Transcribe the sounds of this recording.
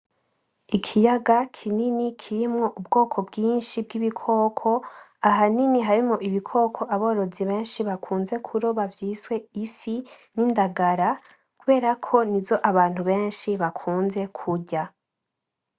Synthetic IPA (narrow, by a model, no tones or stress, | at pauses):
ikʰijaɡakʰininikʰiɾimŋo̞ʔubɡo̞ːkʰo̞bɡiːnʃib̚ɡiβikʰo̞ːkʰo̞aɦaniniɦaɾimŋoʔiβikʰo̞ːkʰo̞ʔaβo̞ːɾo̞ziβe̞ːnʃiβakʰuːnze̞kʰuɾoβavjiːswe̞ifinindaɡaɾa | kuβe̞ːɾakʰo̞nizo̞ʔaβaːn̥huβe̞ːnʃiβakʰuːnze̞kʰuɟa